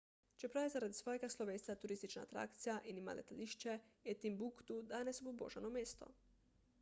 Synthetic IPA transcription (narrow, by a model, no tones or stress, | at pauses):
t͡ʃɛpɾaːʋizaɾad̪isʋoːjeɡasloʋent̪at̪uɾist̪it͡ʃna̰ːt̪ɾa̰ːkt̪sijaʔinima̰lʔɛ̰t̪aliʃt͡ʃɛjɛt̪imbukt̪ud̪aːnɛsʋuboːʒanomeːst̪o̰